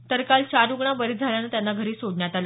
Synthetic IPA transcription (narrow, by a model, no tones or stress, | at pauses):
t̪əɾkalt͡ɕaɾuɡɳabəɾed͡zʱaljanəːt̪janːaɡʱəɾiːsodnjat̪ala